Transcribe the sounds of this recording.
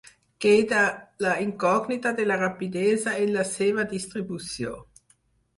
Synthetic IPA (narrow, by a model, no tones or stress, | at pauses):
keːd̪alaiŋkɔɡnit̪ad̪elarapid̪ezaenlaseːvad̪ist̪ɾibusjo̰n